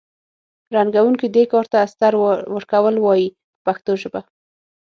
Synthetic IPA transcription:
ɾanɡawuŋkid̪ekɑɾt̪aːst̪aɾwəɾkawəlwɑji | paxt̪oʒəba

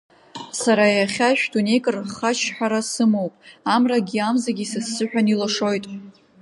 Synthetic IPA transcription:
saɾajaχʲaʃᶣdunejkʼɨrχat͡ʃʰħᶣaɾasɨmowpʼamraɡʲiamzaɡʲisɨsːɨħʷᶣanilɨʂo̞jtʼ

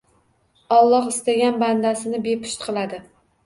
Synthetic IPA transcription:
ɒlˠːɒqɪst̪aɡʲanband̪asɪnɪbe̞pʰʊ̥ʃt̪qʰɨlˠad̪ɪ

